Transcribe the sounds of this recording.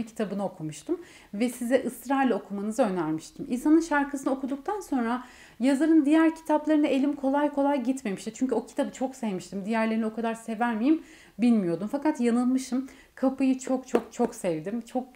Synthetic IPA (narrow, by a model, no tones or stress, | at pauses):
cʰi̥t̪ʰabɯnaokʰumuʃt̪ʰɯm | vɛsizɛʔɯst̪ɾalʲo̞kʰumanɯzɯø̞næɾmiʃt̪ʰiminsanɯnʃaɾkʰɯsɯnɯokʰud̪uk̚t̪ʰanso̞nɾa | jazaɾɯnd̪ijæɾcʰi̥t̪ʰaplˠaɾɯnaʔe̞lʲimkʰo̞lˠajkʰo̞lˠajɟit̪me̞miʃt̪it͡ʃʰyɲcyo̞cʰi̥t̪ʰabɯt͡ʃʰoksɛvmiʃt̪ʰimd̪ijæɾlʲeinio̞kʰad̪aɾse̞væɾmijim | bilʲmijo̞d̪umfakat̪janɯlˠmɯʃɯm | kʰapɯjɯt͡ʃʰo̞k̚t͡ʃʰok̚t͡ʃʰo̞ksɛvd̪imt͡ʃʰo̞k̚